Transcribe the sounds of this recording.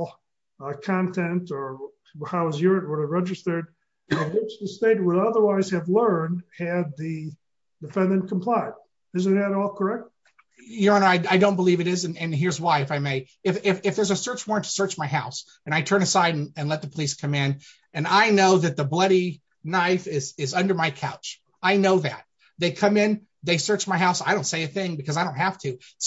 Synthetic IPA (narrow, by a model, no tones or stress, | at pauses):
kʰɑ̃ntʰɛ̃ntə˞ | haʊʌzjʊɹɨt̚wə˞ðɨɹɛd͡ʒɨz̥θə˞d̚ | wɪt͡ʃðɨsteɪt̚wəɾʌðə˞waɪz̥ɨvlɜ̃˞nd̚ɨd̪̚ðɨ | dɨfɛ̃ndɨ̃nkʰm̩pʰl̥aɪd̚ | ɨzɨ̃nɨɾɔlˠkʰə˞ɛk̚t̚ | jɨɾõʊnoʊaɪaɪdõʊ̃nbəlivɨɾɪzɨ̃nɨ̃nɦɪɹzwaɪɨfaɪmeɪ | ɨfɪfɨfðə˞zɨsɜ˞t͡ʃwɔ̃ɹ̃ntʰə̥sɜ˞t͡ʃmaɪɦaʊs | ɨ̃ñaɪtʰɜ̃˞nɨsaɪɾ̃nɨ̃nlɛt̪̚ðəpʰəliskʰʌ̃mɪ̃n | ɨ̃naɪnoʊðɨt̪̚ðəblʌɾi | naɪfɪzɪzʌ̃ndə˞maɪkʰaʊt͡ʃ | aɪnoʊðɨ̰t̪̚ | ðeɪkʰʌ̃mɪ̃n | ðeɪsɜ˞t͡ʃmaɪɦaʊsaɪɾõʊ̃ntseɪɨθɪ̃ŋbɨkʰʌzaɪɾõʊ̃nthæftʰʉ